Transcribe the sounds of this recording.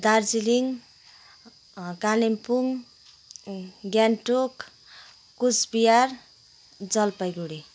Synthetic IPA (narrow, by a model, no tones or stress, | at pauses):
d̪aɾd͡ziliŋ | kalimpuŋ | ɡanʈok | kusbijaɾ | d͡zʌlpʌjɡuɽi